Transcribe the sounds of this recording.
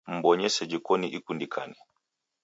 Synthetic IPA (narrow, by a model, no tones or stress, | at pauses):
m̩bɔɲɛsɛd͡ʒikɔniʔikundikʰanɛ